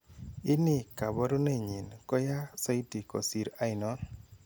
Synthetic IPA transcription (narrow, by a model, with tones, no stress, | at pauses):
ɪ˦nɪ˦˨ka˨bɔ˦ɾo˦ne˦˨ɲi˨nkɔ˦ja˦sa˦i˦ti˨kɔ̰˨si˨ɾa˦ɪ˨nɔ˦